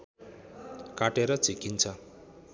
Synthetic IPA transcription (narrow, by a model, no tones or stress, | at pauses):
kaʈeɾʌt͡sikint͡sʰʌ